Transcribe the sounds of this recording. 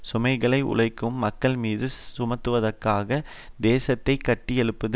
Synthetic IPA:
sʊmɐɪɣɐɭɐɪʔʊ̰ɭɐɪkːɯmːɐkːɐɭmiːðɯsʊmɐt̪ːɯʋɐðɐrkaːɣɐ | d̪eːsɐt̪ːɐɪkːɐʈːɪjɛɭɯpːɯðɯ

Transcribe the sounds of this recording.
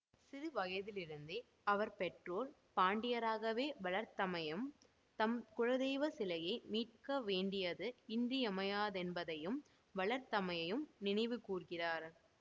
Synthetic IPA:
sɪðɯʋɐɣɐɪðɪlɪɾɯnd̪e | ɐʋɐɾpɛʈroːl | paːɳɖɪjɐɾaːɣɐʋeːʋɐɭɐɾt̪ɐmɐjɐm | t̪ɐmkʊɻɐðeːʋɐsɪlɐɣɐɪmiːʈ̚kɐʋeːɳɖɪjɐðɯɪndriɐmɐjaːðɛnbɐðɐjɯm | ʋɐɭɐɾt̪ɐmɐjɐjɯmnɪnɐɪʋɯkuːrɣɪraːɾ

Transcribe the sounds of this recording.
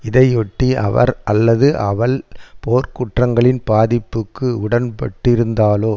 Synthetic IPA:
ɪðɐɪɔʈːiɐ̰ʋɐ̰ɾɐlːɐðɯʔɐʋɐɭpoːɾkʊʈrɐŋɡɐɭɪnbaːðɪpːɯkːɯʊɽɐnpɐ̰ʈːɪɾɯnd̪aːloː

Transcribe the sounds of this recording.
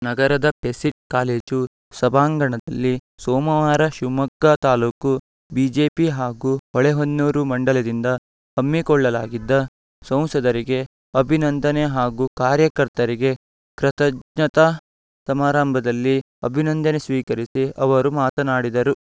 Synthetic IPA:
nɐɡɐɾɐd̪ɐpesiʈ̚kaːle̞ːd͡ʒu | sɐbʱaːŋɡɐɳɐd̪ɐlːisɔːmɐʋaːɾɐʃumɐkːɐt̪aːluːku | bid͡ʒeːpiɦaːɡuːɔɭeɦonːuːɾumɐɳɖɐlɐd̪ind̪ɐ | hɐmːikɔɭːɐlaːɡid̪ːɐ | sɐ̃w̃sɐd̪ɐɾiɡe̞ | ɐbʱinɐnd̪ɐneɦaːɡuːkaːɾjɐkɐɾt̪ɐɾiɡe̞ | kɾɐt̪ɐd͡ʒɲɐt̪ɐ | sɐmaːɾaːmbʱɐd̪ɐlːi | ɐbʱinɐnd̪ɐnesʋiːkɐɾisiɐʋɐɾumaːt̪ɐnaːɽid̪ɐɾu

